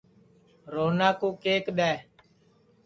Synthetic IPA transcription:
ɾoːnaːkuːkeːkɗɛː

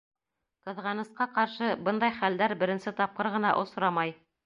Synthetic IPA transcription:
qɤ̆ðʁɑnɤ̆sqɑqɑɾʃɤbɤnd̪ɑjχæld̪æɾbɘ̆ɾɘ̆nsɘt̪ɑp̚qɤɾʁɤ̆nɑʔŏsɾɑmɑj

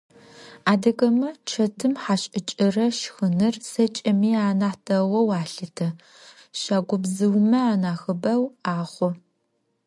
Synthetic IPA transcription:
aːdɐkʼɐmɐt͡ʃʰɐtʰɨmħaːɕʼɪt͡ʃʼɪrɐʃxɨnɨrsɐt͡ʃʼɐmiːaːnaːtʰɐwɐwaːɬɨtʰɐ | ʃaːɡʷʊbzɨwmɐaːnaːxɨbɐwaːχʷɔ

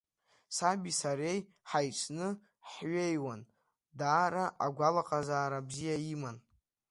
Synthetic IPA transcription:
sabisaɾe̞j | ħajʈ͡ʂʷʰnɨ | ħɥe̞jwan | daːɾaʔaɡʷalaqʼazaːɾabzijaiman

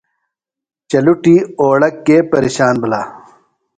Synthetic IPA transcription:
t͡ɕɐluʈiːoːɽɐkːeːpɐɾḭɕaːnbɐlaː

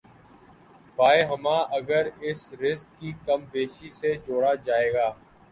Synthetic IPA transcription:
baːeɦəmãːʔəɡəɾɪsɾɪskːiːkəmbeːʃised͡ʒoːɽaːd͡ʒaːeːɡaː

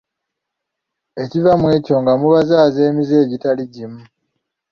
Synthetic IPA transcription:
e̞civamwe̞ːco̞ŋɡamuβazaːze̞ːmize̞ːɟitaliɟimu

